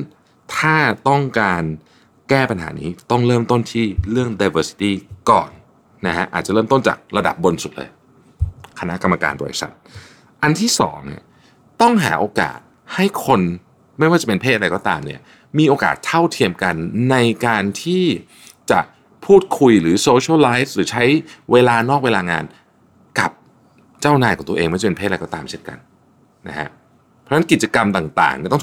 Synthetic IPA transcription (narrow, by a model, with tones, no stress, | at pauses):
t̪ʰaː˥˩t̪ɔ˥˩ŋkaː˧n | kɛː˥˩pa˧nɦa̰ː˩˦nḭː˦˥t̪ɔ˥˩ŋɾɤː˥˩mt̪o˥˩nt̪ʰiː˥˩ɾɯ˥˩əŋda˧jwɤː˧si̥˧t̪iː˥˩kɔ̰ː˨˩nː | a˦˥kʰa˦˥ʔaː˨˩t̪̚t͡ɕa˨˩ɾɤː˥˩mt̪o˥˩nt͡ɕa̰ː˨˩k̚ɾa˧da̰˨˩p̚bo˧nsu˨˩t̪̚lɤ̰ː˧j | kʰa˧na˦˥ʔka˧mːa˧ka̰ː˧nbɔ̰˨˩jsa̰˨˩t̪̚ | ʔa˧nt̪ʰiː˥˩sɔ̰ː˩˦ŋnḭ˦˥˩ | t̪ɔ˥˩ŋɦa̰ː˩˦ʔoː˧ka̰ː˨˩t̪̚ | ha˥˩jkʰo˧n | ma˥˩jwaː˥˩t͡ɕpe˧npʰeː˥˩aɾa˧jkɔː˥˩t̪aː˧mni˦˥˩ɐ | miː˧ʔoː˧ka̰ː˨˩t̪ʰːa˥˩wt̪ʰi˧əmka˧nːa˧jkaː˧nt̪ʰiː˥˩ | t͡ɕa˨˩ʔ | pʰuː˥˩t̪̚kʰu˧jɾɯː˩˦soː˧t͡ɕʰːlaː˦˥jfɾɯː˩˦t͡ɕʰa˦˥jweː˧laː˧nɔː˥˩k̚weː˧laː˧ŋa̰ː˧n | ka˨˩p̚ | t͡ɕaː˥˩wnaː˧˩jkɔː˨˩˦ŋt̪u˧eː˧ŋma˥˩t͡ɕa˨˩pe˧pʰeː˥˩a˧jkɔː˥˩t̪aː˧mt͡ɕʰe˥nka̰˧n | na̰˦˥kʰa̰˦˥ | pʰɔ˧˦˥na˦˥nki˨t̪̚t͡ɕa˧ka˧mt̪aː˨˩ŋt̪a̰ː˨˩ŋni˥˩t̪ɔ˥ŋ˨